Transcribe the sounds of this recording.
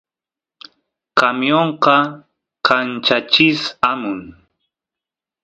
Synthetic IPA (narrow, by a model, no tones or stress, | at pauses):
kamjoɴqɑ | kant͡ʃat͡ʃɪsamʊŋ